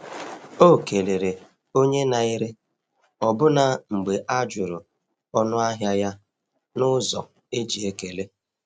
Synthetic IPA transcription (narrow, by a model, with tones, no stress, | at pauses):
o˦˨ke˨le˨ɾe˨ | o˦ɲe˦na˨i˦ɾe˦ | ɔ˨bʊ˦na˨ŋ͡m̩˨ɡ͡be˨ʔa˦d͡ʒʊ˨ɾʊ˨ | ɔ˦nʊ˦a˦ɦja˦ja˦ | nʊ˦zɔ̰˨ | e˦d͡ʒi˨e˦ke˨le˦